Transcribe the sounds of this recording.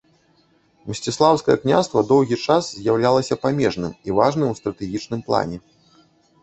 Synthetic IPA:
msʲt͡sʲislˠawskɐjɐ̰knʲa̰st̪vɐd̪ɔwɣʲit͡ʂaszʲjawlʲalˠɐsʲɐpamʲɛʐnɨmivaʐnɨmust̪ɾɐt̪ɛɣʲit͡ʂnɨmplˠa̰nʲɛ

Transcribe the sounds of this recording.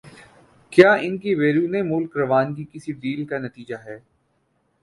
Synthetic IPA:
kjaːɪnkiʋeːɾũnemʊlkɾɐʋaːnkikɪsiɖiːlkanɐt̪iːd͡ʒaɦɛː

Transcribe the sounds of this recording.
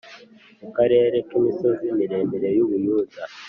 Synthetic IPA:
mukaɾe̞ːɾe̞kimiso̞zimiɾe̞ːndiɾe̞juβujuːza

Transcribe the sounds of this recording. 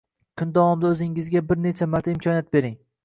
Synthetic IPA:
kʰʊnd̪awɒmd̪aɵzɪŋɪzɡʲabɪɾne̞t͡ʃʰamaɾt̪ʰaɪmkʰʲɒnjat̪̚be̞ɾɪŋ

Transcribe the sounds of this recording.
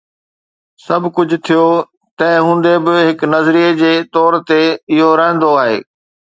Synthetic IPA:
sɐbʱkʊd͡ʑʱʊ̆t̪ʰijo | t̪ɐ̃ɦɪ̃ɦũːnd̪ebɪɦɪknɐzɾied͡ʑeːt̪ɔːɾt̪eɪɦoɾə̃ɦə̃nd̪oaːɦḛː

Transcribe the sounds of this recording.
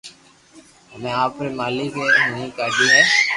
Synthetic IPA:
ɦəmẽːaːpɾeːmaːliːkeːɦəɦĩːkaːd̪iːɦɛː

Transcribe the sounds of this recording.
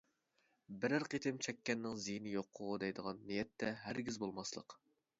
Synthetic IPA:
bɪɾæɾqet̪ʰɪmt͡ʃʰɛkʲːɛnːɪŋzijnɪjoqʰːʊʁʊd̪ɛjd̪əʁɑnːijɛt̪ʰːɛɦæɾɡʲizbolˠmɑslˠə̰q

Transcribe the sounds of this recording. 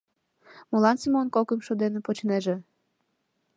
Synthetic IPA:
molɑnsimonkokəmʃod̪enepot͡ɕneʒĕ

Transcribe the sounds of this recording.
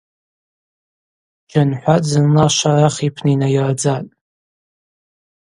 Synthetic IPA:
d͡ʒanħʷad͡zɨnlaʃʷaraχipʰnainajarad͡zatʼ

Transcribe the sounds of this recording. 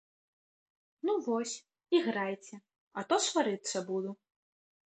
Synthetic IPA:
nuvɔsʲ | iɣɾajt͡sʲɛ | ɐt̪ɔsvaɾɨt̪sːɐbud̪u

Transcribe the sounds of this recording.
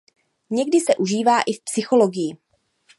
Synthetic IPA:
ɲɛɡdɪsɛʔuʒiːvaːʔɪfpsɪxo̞lo̞ɡɪjɪ

